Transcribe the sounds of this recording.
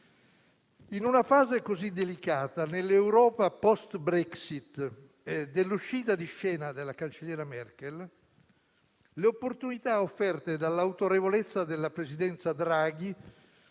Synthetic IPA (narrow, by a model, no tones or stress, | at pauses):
inunafaːzekozid̪elikaːt̪anelːewɾɔːpapɔst̪bɾɛksit̪ | d̪elːuʃːiːt̪̬ad̪iʃːɛːnad̪elakant͡ʃeljɛːɾamɛrkɛl | leopːort̪unit̪aofːɛrt̪ed̪alːawt̪oɾevolet̪sːad̪elːapɾezid̪ɛnt̪sad̪ɾaːɡi